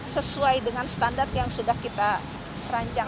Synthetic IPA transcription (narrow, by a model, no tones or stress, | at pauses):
səsuajdəŋanst̪andart̪jaŋsudahkit̪a | raɲt͡ʃa